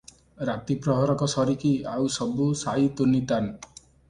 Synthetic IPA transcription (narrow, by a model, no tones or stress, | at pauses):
ɾat̪ipɾɔɦɔɾɔkɔsɔɾikiawsɔbusait̪unit̪an